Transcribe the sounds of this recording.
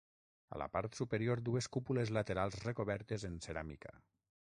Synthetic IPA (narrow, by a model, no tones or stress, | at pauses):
a̰la̰paɾt̪supeɾioɾd̪ueskupulezlat̪eɾalˠzrekoβɛɾt̪ezenseɾamḭka̰